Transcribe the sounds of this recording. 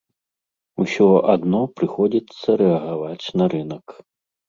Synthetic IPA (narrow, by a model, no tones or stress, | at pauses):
usʲɔʔad̪nɔpɾɨxɔd͡zʲit̪sːɐɾɛɐɣavat͡sʲnɐɾɨnɐk